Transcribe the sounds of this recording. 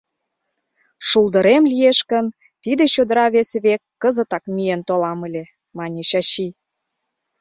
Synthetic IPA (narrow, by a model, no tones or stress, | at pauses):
ʃuld̪ə̆ɾemlieʃkə̆n | t̪id̪et͡ɕod̪ə̆ɾɑβeseβekːə̆zə̆t̪ɑkmient̪olɑmə̆lʲe | mɑnʲeɕɑɕi